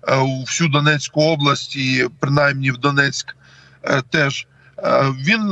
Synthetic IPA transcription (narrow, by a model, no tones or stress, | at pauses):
uwsʲud̪ɔnɛt͡sʲkʊɔblˠɐsʲtʲipɾɪnɑjmnʲiwd̪ɔnɛt͡sʲk | t̪ɛʒ | ʋʲin